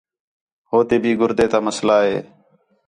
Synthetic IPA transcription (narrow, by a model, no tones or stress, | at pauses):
ɦoːt̪eːbʱiːɡʊɾd̪eːt̪aːməslaːɦḛː